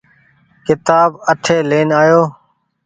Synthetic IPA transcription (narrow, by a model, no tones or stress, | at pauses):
kɪt̪aːbəʈʰeːleːnaːjoː